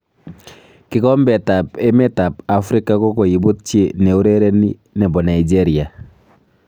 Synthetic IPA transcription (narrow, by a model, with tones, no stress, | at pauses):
kɪ˦kɔ˦mbɛta˨pɛ˦mɛ˦ta˨pa˨fɾi˦ka˦kɔ˦ko˨ji˨bu˦t̚t͡ʃe˦ne˨u˦ɾe˦ɾe˦ni˦ | nɛ˨bɔ˨na˨id͡ʒe˦ɾia˨